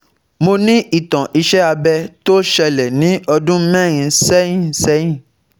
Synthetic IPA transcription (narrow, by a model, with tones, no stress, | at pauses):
mo˧nĩ˦ʔi˦˨tã˨ʔi˧ʃɛ˦a˧bɛ˧to˦ʃɛ˧lɛ˨nĩ˨˦ɔ˧dũ˦mɛ̃˦˨ɾ̃ĩ˧sɛ˦j̃ĩ˦˨sɛ̃˦ĩ˦˨